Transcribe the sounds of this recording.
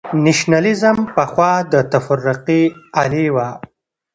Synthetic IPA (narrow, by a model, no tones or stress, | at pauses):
nɪʃnalɪzəmpəxwɑːd̪ət̪afaɾːʊqialiwa